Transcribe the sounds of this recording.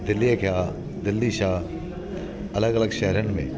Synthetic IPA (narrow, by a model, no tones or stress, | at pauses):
d̪ɪlːijekʰjaː | d̪ɪlːiʃaː | ɐləɡɐləɡʃɛɦɾənmḛ̃ː